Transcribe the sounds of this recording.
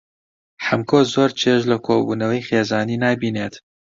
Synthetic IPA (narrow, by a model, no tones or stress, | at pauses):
ħɐmkoːzoːɾt͡ʃʰeːʃlɐkʰoːbuːnɐwɐjxeːzɑːniːnɑːbiːneːt̪